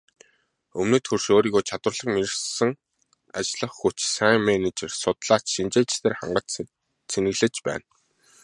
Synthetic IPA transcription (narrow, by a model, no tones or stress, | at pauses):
ɵmnĕːt̪xɵrʃoːɾiːɣoːt͡ɕʰat̪wə̆ɮə̆χmeɾɘ̆sə̆ŋ | a̰t͡ɕɮə̆χxut͡ɕsæŋmenet͡ɕersʊt̪ɮaːt͡ɕʃint͡ɕeːt͡ɕt̪ʰeːrχa̰ɴɢə̆t͡ɕ | sʰenɘ̆ɣɮɘ̆t͡ɕpæ̰ːn